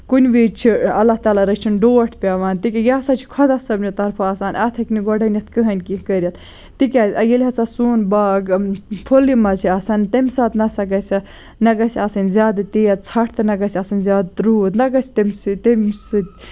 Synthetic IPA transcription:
kunʲʋit͡ʃʰiɐlːaht̪aːlaɾɐt͡ʃʰinɖoːʈʰpʲaːʋaːnt̪ikʲɐjaːsat͡ʃʰi̥kʰɔd̪ɐsɐbnit̪ɐɾpʰaaːsaːnɐt̪ʰɐkniɡɔɖɐnʲjɐt̪ʰkɨɦɐnʲkikɐɾʲjɐt̪ʰ | t̪ikʲazʲɐjelʲɦɐt͡sasuːnbaːɡpʰolimɐzʰiɐsɐnt̪ɐmʲsaːt̪nɐsɐɡɐsʲɐ | nɐɡɐsʲasɐnʲzjaːd̪t̪ijɐt̪̚t͡sʰɐʈʰt̪ɨnɐɡɐsʲɐsɐnʲzʲjaːd̪ɾuːt̪nɐɡɐsʲt̪ɐmʲsɨt̪ɐmʲsɨt̪

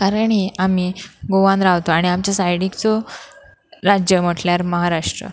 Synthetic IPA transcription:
kaɾəɳiamiɡoʋãnd̪ɾaʋt̪oaɽ̃iamt͡ɕjasajɽikt͡sɔ | ɾad͡ʑjəm̤əʈljaɾməɦaɾaʂʈɾə̰

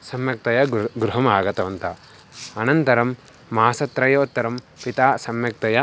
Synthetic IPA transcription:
sɐmjɐk̚t̪ɐjɐɡɾuɦɐmaːɡɐt̪ɐʋɐnt̪ɐ | ɐnɐnt̪ɐɾɐmː | aːsɐt̪ɾɐjɐːt̪ːɐɾɐm | pit̪aːsɐmjɐk̚t̪ɐjɐ

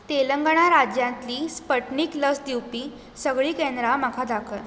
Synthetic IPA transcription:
t̪eləŋɡɳ̃aɾad͡ʑjãnt̪liːspəʈɳiːkləsd̪iwpiː | səɡɭiːkẽnd̪ɾamakʰad̪akʰə

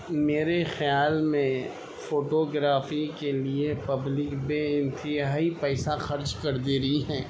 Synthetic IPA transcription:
meːɾexjaːlmẽ | foːʈoːɡɾaːfikeliepɐblɪkbeːɪ̃nt̪ɪɦaːipɛːsaxɐɾd͡ʒkɐɾd̪eːɾɐiɦɛ̃ː

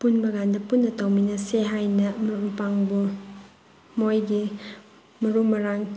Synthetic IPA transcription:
punbɐɡandɐpunːɐtɐwminɐseɦajnɐmɐumpaŋbu | mojɡi | mɐɾumɐɾaŋ

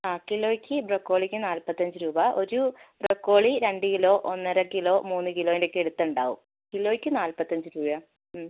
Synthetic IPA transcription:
aːkilːo̞ːjikʲːɨbrɐkːo̞ːɭikʲːɨnaːlpɐt̪ːɐɲd͡ʑɨɾuːbɐʔo̞ɾub̥rɐkːo̞ːɭiɾe̞ɳɖɨkilo̞ːʔonːɐɾɐkiloːmuːnːɨkiloːindekːeɽut̪ːɐuɳɖa̰ːʋṵm | kilːo̞ːikʲːɨnaːlpɐt̪ːɐɲd͡ʑɨɾuːbɐ

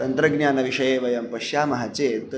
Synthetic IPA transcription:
ɐnt̪ɾɐɡnjaːnɐʋiʂɐjeːʋɐjɐmpɐʂjaːmɐɦat͡seːt̪

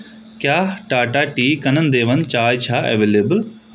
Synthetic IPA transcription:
kjaːʈaːʈaːʈiːkɐnənd̪eːʋənt͡ʃaːjt͡ʃʰaːḛʋeːleːbəl

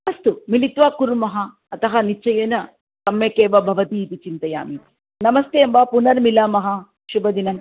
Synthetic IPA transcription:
ɐst̪umilit̪ʋaːkuɾumɐɦɐ̆ː | t̪ɐɦɐnit͡ʃɐjɐnɐ | t̪ɐmːeːkeːʋɐbʱɐʋɐt̪iːt̪it͡ʃint̪ɐja̰ːmit̪i̥ | nɐmɐst̪eɐmbaːpunɐɾmilaːmɐɦɐ | ʃubɐd̪inɐm

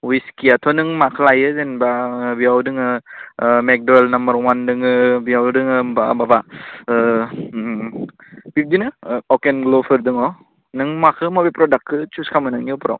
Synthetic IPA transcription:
wiskiatʰɔnɯŋmakʰlajɯzenbabiawdɯŋɯ | mek̚doelnɐmbəɾwandɯŋɯbiawdɯŋɯbababa | bʰip̚ʰdinɯɔkenɡlopʰɯɾdɯŋɔ | nɯŋmakʰɯmɔbepɾɔdakʰːɯt͡ʃuskʰamɯnɯŋniɔpʰuɾa̰w

